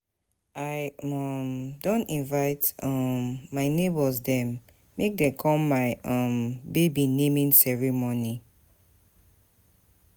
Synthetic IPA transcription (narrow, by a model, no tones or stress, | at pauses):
aɪɔmdõntĩnvaɪtɔmːaɪnebɔsdɛ̃mː | ek̚dɛ̃kʰɔ̃mːaɪʔɔ̃mbebinemĩnsɛɹimoni